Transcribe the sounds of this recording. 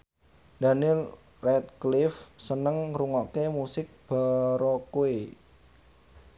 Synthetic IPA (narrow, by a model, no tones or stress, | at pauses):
d̪̥anɪl | rɛt̪̚klɪfsənəŋruŋɔʔkemusɪk̚b̥aɾɔkoe